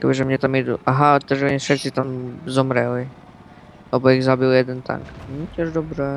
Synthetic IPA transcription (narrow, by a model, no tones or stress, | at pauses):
akobɪʒɛmɲɛt̪amjɛd̪uʔaɦaɔt̪ɛʒɛɲɛʃɛt͡sɪt̪amzɔmɾɛli | lɛboiɣzabɪljɛd̪ɛnt̪ʰa̰ŋkn̩t̪ʲɛʒdɔbɾɛ